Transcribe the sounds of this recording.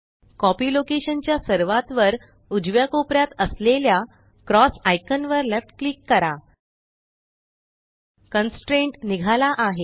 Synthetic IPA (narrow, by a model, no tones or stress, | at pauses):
kɔpiːlokeɕənt͡ɕjasəɾʋat̪ʋəɾ | ud͡ʑʋjakopɾjat̪əslelja | kɾɔsajkənʋəɾlefʈklikːəɾa | kənsʈɾeɳʈniɡʱalaʔaɦe